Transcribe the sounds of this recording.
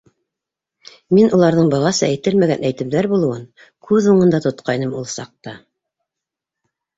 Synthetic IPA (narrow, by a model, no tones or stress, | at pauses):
minulˠɑɾðɤɴbɑʁɑsɤæjt̪ɘlmæɡænæjt̪ɘ̆pðæɾbulˠɤ̆wɤn | kʰʉðuɴɤ̆nd̪ɑt̪ŏt̪qʰɑjnɤmulˠsɑq̚t̪ɑ